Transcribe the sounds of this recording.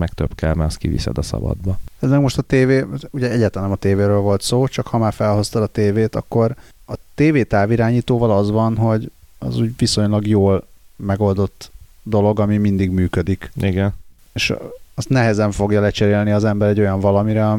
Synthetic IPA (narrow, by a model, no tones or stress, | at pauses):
mɛkt̪ø̰pkɛlmɛst̪̚kḭvḭsɛ̰d̪ɒsɒ̰bɒ̰d̪bɒɛzmɛɡmo̞ʃt̪ɒt̪eːveːuɟɛɛɟaːt̪lɛnɛmɒt̪eːveːɾøːlvo̞lt̪soːt͡ʃɒkhɒmaːrfɛlɦo̞st̪ɒlɒt̪eːveːt̪ɒ̰kːo̞ɾ | ɒt̪eːveːt̪aːviɾaːɲiːt̪oːvɒlɒzʋɒnɦo̞ɟ | ɒ̰zuːɟviso̞ɲlɒɡjoːlmɛɡo̞ld̪o̞t̪ː | d̪o̞lo̞ɡɒmimind̪iɡmyːkød̪ikiɡɛn | eʃɒst̪nɛɦɛzɛɱfo̞ɡjɒlɛt͡ʃɛɾeːlniɒzɛmbɛɾɛɟo̞jɒɱvɒlɒmiɾɛɒ